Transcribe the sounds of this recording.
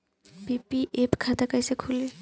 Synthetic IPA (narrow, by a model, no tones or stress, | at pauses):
bipiʔepkʰat̪akajsekʰule